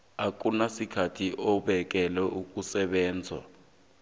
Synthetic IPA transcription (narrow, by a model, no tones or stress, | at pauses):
ak̬ʼunasikʰatʰiʔɔɓɛk̬ʼɛlɛʔuk̬ʼusɛɓɛːnd͡zʱwa̰